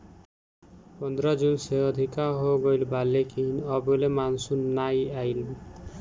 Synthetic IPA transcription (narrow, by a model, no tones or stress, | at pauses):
pɔnd̪ɾad͡ʒunseɔd̪ʱikaɦoɡɔjlbalːekinɔbɔlemansunajajl